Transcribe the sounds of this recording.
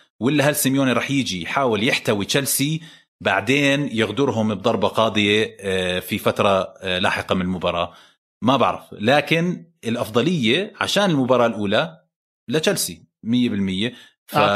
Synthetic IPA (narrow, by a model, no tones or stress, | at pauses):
wɪlːaɦalsɪmjoːniɾˤɑːħjɪd͡ʒijħaːwɪljɪħt̪awit͡ʃalsi | baʕd̪eːnjɪɣd̪ʊɾɦʊmb̚d̪ˤɑɾˤbɑqɑːd̪ˤɨjefifat̪ɾˤɑla̰ːħɪqɑmɪnɪlmʊbɑɾˤɑ̰ː | mabɪ̰ʕɾˤɑ̰flaːkɪn | ɪlʔɑfd̪ˤɑlɪjːaʕa̰ʃaːnɪlmʊbɑːɾˤɑːlʔuːla | lat͡ʃalsi | mɪjːebɪlmɪjːe | fa